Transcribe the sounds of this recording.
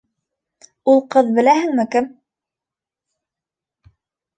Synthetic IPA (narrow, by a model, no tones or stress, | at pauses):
ulˠqɤðbɘ̆læhɘ̆ŋmɘkɘm